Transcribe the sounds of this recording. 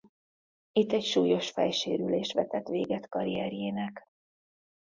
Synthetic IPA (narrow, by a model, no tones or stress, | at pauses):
it̪ːɛcʃuːjo̞ʃfɛjʃeːɾyleːʃt̪ʋɛt̪ɛt̪ʋeːɡɛt̪kɒɾiɛɾjeːnɛk